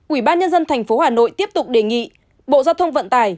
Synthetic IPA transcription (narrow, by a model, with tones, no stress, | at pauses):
ʔwi˧˩ɓaː˧nɲə˧nzə˧nt̪ʰɛ˨˩jŋ̟fo˨˦haː˨˩no̰˧˨jt̪i˦˥əp̚t̪ʊ˨˩k͡p̚ɗe˨˩ŋḭ˧˨ | ɓo̰˧˨zaː˧wt̪ʰə˧wŋ͡mvə̰˧˨nt̪aː˨˩j